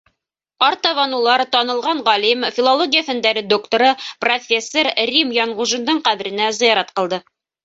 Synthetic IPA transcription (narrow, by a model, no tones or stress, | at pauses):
ɑɾt̪ɑβɑnulˠɑɾt̪ɑnɤ̆lˠʁɑɴʁɑlimfʲilˠolˠoɡʲijəθɘ̆nd̪æɾɘd̪okt̪oɾɤprofʲesːoɾrʲimjɑɴʁuʒɤ̆nd̪ɤɴqæβɘ̆ɾɘ̆næzɤ̆jɑɾɑt̪qɤ̆lˠd̪ɤ